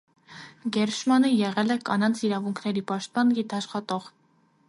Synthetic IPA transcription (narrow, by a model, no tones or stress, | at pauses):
ɡɛɾʃmɑnəjɛʁɛlɛkɑ̰nɑnt͡sʰiɾɑvuŋkʰnɛɾipɑʃt̪̚pɑnɡit̪ʰɑʃχɑt̪ɔʁ